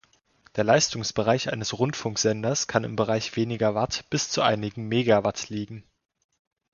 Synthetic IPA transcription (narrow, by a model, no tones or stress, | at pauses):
d̥eːɐlaɪstʊŋsb̥əʁaɪçʔa̰ɪnəsʁʊntfʊŋkz̥ɛndɐskʰanɪ̰mbəʁaɪçv̥eːnɪɡɐvatb̥ɪst͡suʔa̰ɪnɪɡŋ̩meːɡavatliːɡŋ̩